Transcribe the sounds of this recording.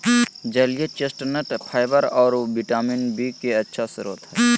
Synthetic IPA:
d͡ʒəlijet͡ʃesʈnəʈpʰaːɪbəɾɔːɾbiʈaːminbikeɐtːʃʰasɪɾṵːt̪ɦɛː

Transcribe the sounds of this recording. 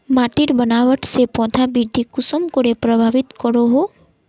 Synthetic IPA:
maʈiɾbənaʋəʈsepɔ̃d̪ʱabiɾd̪ʱikʊsɔmkoɾepɾəbʱaʋit̪kɔɾoɦo

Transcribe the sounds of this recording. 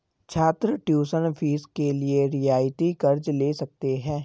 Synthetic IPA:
t͡ʃʰaːt̪ɾəʈjuːsənfʰiːskelieɾɪjaːjt̪ikɐɾd͡ʒleːsɐk̚t̪eɦɛ̃ː

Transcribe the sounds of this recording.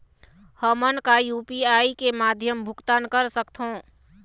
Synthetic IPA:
həmənkajuːpiaːikemaːd̪ʱjəmbʱʊkt̪aːnkəɾsəkt̪ɦõː

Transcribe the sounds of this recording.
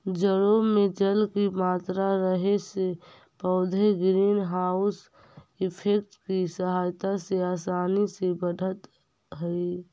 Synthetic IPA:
d͡ʒəɽomed͡ʒəlkimaːt̪ɾaɾəɦese | pəːd̪ʱeɡɾiːnɦaʊs | ɪpʰekʈkisəɦaːjt̪aseaːsaːnisebəɖʱət̪ | ɦəi

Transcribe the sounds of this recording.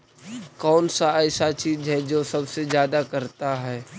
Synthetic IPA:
kɔːnsaɛːsat͡ʃiːd͡ʒɦɛd͡ʒoːsɐbsezjaːd̪akɐɾt̪aɦɛː

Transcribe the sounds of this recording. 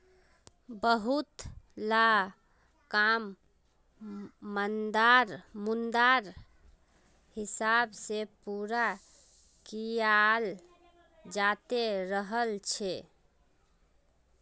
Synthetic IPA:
bəɦut̪la | kam | ənd̪aɾmund̪aɾ | hisabsepuɾa | kijal | d͡ʒat̪eɾəɦəlt͡ʃʰe

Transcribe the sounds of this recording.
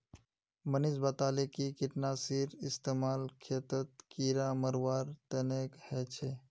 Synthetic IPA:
mənisbat̪aːlekikiʈnasiɾɪst̪eːmaːlkʰet̪ət̪̚kiɾaməɾʋaːɾt̪ənekhɛt͡ʃʰe

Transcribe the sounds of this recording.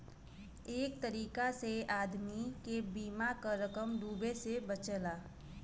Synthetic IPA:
eːk̚t̪əɾiːkaseaːd̪mikebiːmakaɾəkəmd̪uːbesebət͡ʃəlaː

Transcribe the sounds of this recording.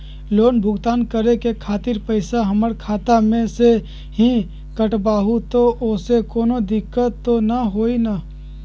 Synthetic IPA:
loːnbʱʊɡt̪aːnkəɾekekʰaːt̪ɪɾpəɪsaɦəməɾkʰaːt̪amẽse | ɦi | kəʈbaːɦut̪oʔʊsekoːnod̪ɪkːət̪ːonaɦoːina

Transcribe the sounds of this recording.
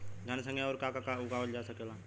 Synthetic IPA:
ɡ̪ʱansə̃ŋɡeɔːɾkakakaʊɡaʋəld͡ʒasəkela

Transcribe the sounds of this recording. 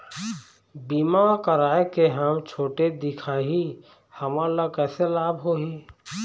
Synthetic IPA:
biːmakəɾaːekeɦəmt͡ʃʰoːʈed̪ɪkʰaːɦi | həmalakɛːselaːbɦoːɦiː

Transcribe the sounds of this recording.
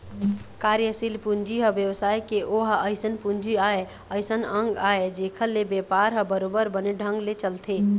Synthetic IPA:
kaɾjəsilpund͡ʒiɦəbjəwsajkeʔoɦəɪsənpund͡ʒiae | əɪsənə̃ŋɡaed͡ʒekʰəlebjepaɾɦəbəɾobəɾbəneɖʱə̃ŋɡlet͡ʃəlt̪ʰe

